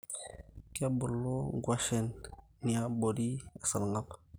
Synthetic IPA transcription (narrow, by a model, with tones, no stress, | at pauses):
ka˦bu˨lːo˦ɡwa˦ʃe˨nː | i˨a˦bo˨di˦ḁ˨sa˨lŋa˦p